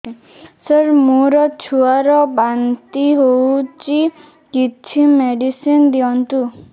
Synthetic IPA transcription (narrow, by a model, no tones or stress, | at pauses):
səɾmuɾɔt͡ʃʰuaɾɔbant̪iɦowt͡ʃi | kit͡ʃʰimeɖisind̪iɔnt̪u